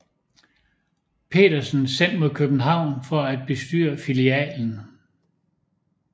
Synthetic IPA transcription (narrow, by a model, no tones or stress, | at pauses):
pʰe̝̰ːdɐsn̩sen̰d̥mo̝ðˠkʰøb̥n̩ɦɑ̈ʊ̰nfɒæd̥̚b̥e̝sd̥y̰ːɐfiliɛ̰ːln̩